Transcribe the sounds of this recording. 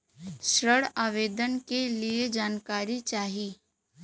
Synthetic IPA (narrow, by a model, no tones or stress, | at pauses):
ʃɾəɽaːʋeːd̪ənkelied͡ʒaːnkaːɾit͡ʃaːɦiː